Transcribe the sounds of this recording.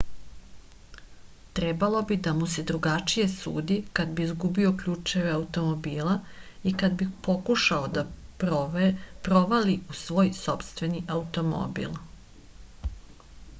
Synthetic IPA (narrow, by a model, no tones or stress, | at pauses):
t̪ɾɛbalo̞bid̪amuse̞d̪ɾuɡat͡ʃije̞sṵːd̪ikad̪biizɡubio̞kʎuːt͡ʃeʋeaut̪o̞mobiːlaikad̪bipo̞kuʃaod̪ap | pɾo̞ʋaliusʋo̞ːjso̞pst̪ʋe̞niʔaut̪o̞mo̰bḭl